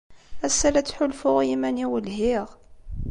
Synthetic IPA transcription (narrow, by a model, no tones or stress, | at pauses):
æsːælæt͡sːħʊlfʊʁjimæniwəlɦiʁ